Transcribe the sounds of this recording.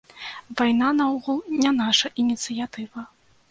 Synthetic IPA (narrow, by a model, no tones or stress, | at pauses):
vajnanawɣulˠnʲanaʂɐʔinʲit̪sɨjat̪ɨvɐ